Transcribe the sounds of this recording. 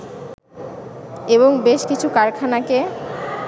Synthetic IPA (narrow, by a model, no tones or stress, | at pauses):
eβoŋbeʃkit͡ɕʰukaɾkʰanake